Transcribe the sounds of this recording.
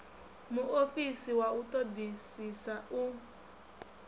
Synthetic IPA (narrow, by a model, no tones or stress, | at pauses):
muofisiwautɔd̪isisau